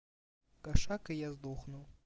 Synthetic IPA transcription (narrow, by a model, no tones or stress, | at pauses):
kaʂakɨjazd̪uxnuw